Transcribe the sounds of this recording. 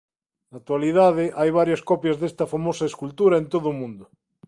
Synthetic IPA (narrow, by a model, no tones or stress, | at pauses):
nak̚t̪waliðað̞eʔajβ̞aɾjaskɔpjazðest̪ɐfamosaeskult̪uɾaẽnt̪oðʊmũnd̪ʊ